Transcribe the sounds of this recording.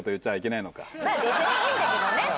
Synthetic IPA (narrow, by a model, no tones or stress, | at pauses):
ot̪ojɯ̟t͡ɕːaβaikʲe̞naino̞ka̰maːbe̞t͡sɨɲ̟iind̪aked̪one